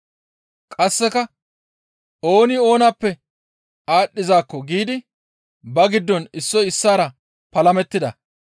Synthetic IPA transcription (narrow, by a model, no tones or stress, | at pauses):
kʼɐsːɛkɐ | o̞ːnɪo̞ːnapːɛ | aːɗːɪzaːkːɔɡiːd̪ɪ | bɐɡɪd̪ːɔnɪsːɔjɪsːaːɾɐ | pɐlɐmɛt̪ːɪd̪ɐ